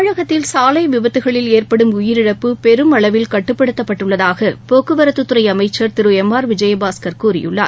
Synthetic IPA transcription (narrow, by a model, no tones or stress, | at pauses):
ɻɐɣɐt̪ːɪlsaːlɐɪʋɪbɐt̪ːɯɣɐɭɪleːrpɐɽɯmʊjɪɾɪɽɐpːɯpɛɾɯmɐɭɐʋɪlkɐʈːɯpːɐɽɯt̪ːɐpːɐʈːɯɭːɐðaːɣɐpoːkːɯʋɐɾɐt̪ːɯt̪ːɯɾɐɪɐmɐɪt͡ʃːɐɾt̪ɪɾɯɛmːaːɾʋɪd͡ʒɐjɐbaːskɐɾkuːrɪ̰jɯ̰ɭːa̰ːɾ